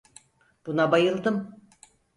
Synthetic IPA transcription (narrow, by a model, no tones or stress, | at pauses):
b̥unabajɯlˠd̪ɯm